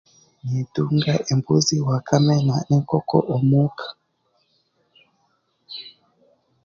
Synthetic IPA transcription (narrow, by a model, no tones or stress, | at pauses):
nituŋɡaʔembuziwakʰamɛnaneŋkɔkɔ̰ʔɔmukʰḁ